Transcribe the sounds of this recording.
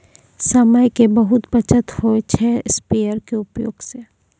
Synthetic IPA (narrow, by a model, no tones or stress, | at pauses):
səməjkebɐɦʊt̪bət͡ʃʰət̪hoet͡ʃʰɛspejəɾkeʊpjo̰ːɡse